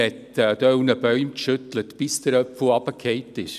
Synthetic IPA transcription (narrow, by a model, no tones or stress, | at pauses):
hɛtːd̪œwnəb̥œʏmtʃʏtlətb̥ɪsd̥̪əɾœpfəlɑb̥əkʰheɪtːɪʃ